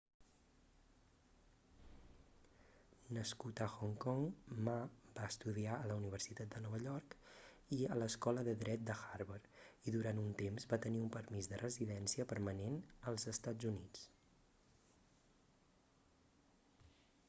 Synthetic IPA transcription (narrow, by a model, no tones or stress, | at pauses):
nəskut̪əxɔŋkɔŋmabaəst̪uðiaələuniβ̞əɾsit̪at̪̚d̪ənɔβəʎɔɾk | iələskɔləðəðɾɛt̪̚d̪əxaɾβəɾiðuɾant̪unt̪emzβat̪əniumpəɾmizðərəziðɛnsiəpəɾmənenəlˠzəst̪ad͡zunit͡s